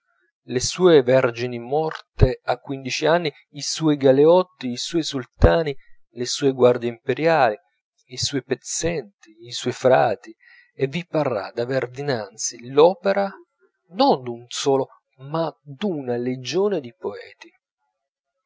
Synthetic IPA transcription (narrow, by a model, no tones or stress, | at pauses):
lesuːevɛrd͡ʒinimɔrt̪eakːwind̪it͡ʃianːi | isuːjɡaleɔt̪ːiːsuːjsult̪aːni | lesuːeɡward̪jeimpeɾjaːliː | suːjpet̪sːɛnt̪iːsuɔjfɾaːt̪i | evːiparːa̰d̪averd̪inant̪silɔːpeɾa | nond̪unsɔːlo | mad̪unaled͡ʒoːned̪ipoɛ̰ːt̪i